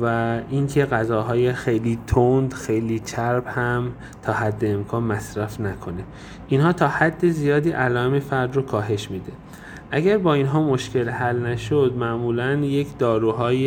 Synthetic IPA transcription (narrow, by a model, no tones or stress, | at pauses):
væiŋcʰe̞ɣæzɒːɦɒːjexejliːt̪ʰond̪xejliːt͡ʃʰæɾbhæm | t̪ʰɒːɦæd̪ːeːmkʰɒːnmæsɾæfnækʰo̞ne̞ | ʔinɦɒːt̪ʰɒːhæd̪ːe̞zijɒːd̪iːʔælɒːemefæɾd̪rokʰɒːɦe̞ʃmiːd̪e̞ | ʔæɡæɾbɒːinɦɒːmo̞ʃcʰe̞lhælnæʃod̪mæʔmuːlænje̞cʰd̪ɒːɾuːɦɒːje